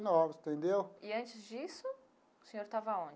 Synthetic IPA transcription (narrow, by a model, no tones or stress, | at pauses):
nɔvɪst̪ẽnd̪ewɪɐ̃nt͡ʃɪzd͡ʒisʊ | ʊsẽɲoɾt̪avɐõd͡ʒɪ